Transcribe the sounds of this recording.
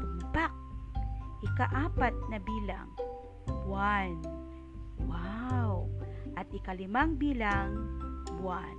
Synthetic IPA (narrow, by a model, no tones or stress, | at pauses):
ʊmpak̚ʔɪkaʔaːpat̪̚nɐbiːla̰ŋ | bwan | wawʔat̪̚ɪkalɪmaŋbiːlaŋbwan